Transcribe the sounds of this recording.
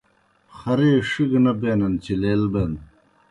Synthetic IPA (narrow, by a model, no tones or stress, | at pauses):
xɐɾeːʂiɡnɐbeːnɐnt͡ɕʰileːlbeːn